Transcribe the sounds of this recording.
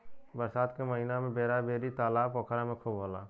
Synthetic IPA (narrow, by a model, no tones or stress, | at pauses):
bəɾsaːt̪keməɦinamẽbeːɾabeːɾit̪aːlaːpokʰɾamẽkʰobɦoːlaː